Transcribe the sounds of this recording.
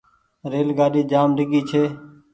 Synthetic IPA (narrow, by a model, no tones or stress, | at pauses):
ɾeːlɡaːɗiːd͡ʒaːmɖɪɡiːt͡ʃʰeː